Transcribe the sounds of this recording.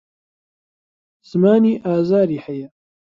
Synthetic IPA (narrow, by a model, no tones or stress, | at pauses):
z̥ɨmaːniːʔaːzaːɾiːhɐjɐ